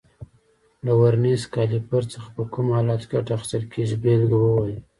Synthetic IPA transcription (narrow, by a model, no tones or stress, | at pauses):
lawaɾnizkɑlipaɾt͡səxḁpəkumhɑlɑt̪kʲaʈaxɪ̥st̪əlkʰeʒibelɡwəwaj